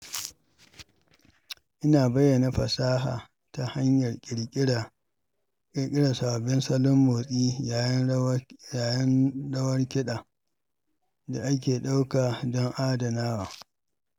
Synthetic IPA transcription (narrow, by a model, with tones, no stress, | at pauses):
ʔɪ˦naː˨bɐ˦jːɐ˨na˨ɸɐ˨saː˦ɦa̰ː˨ | ta˨ha˦ɲjɐ˨rkʲʼɪ˨ɽʲʼ | ɪ˨ɾkʲʼɪ˦ɽa˨sa˨a˨bɪ˦nsɐ˦lʊ˦mːoː˨sʼiː˦a˨jjaː˨jɐ˦nɽɐ˦wɐ˦rkʲɪ˦ɗaː˨ | da˨ʔa˦k̬ʲeː˨ɗa˦wkaː˨dɔ˦ŋʔaː˦dɐ˨naː˦waː˨